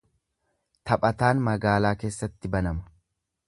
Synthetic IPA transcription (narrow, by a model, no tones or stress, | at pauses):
t̪ɐpʼɐt̪aːnmɐɡaːlaːke̞ːsːɐt̪ːɪbɐnɐmɐ̥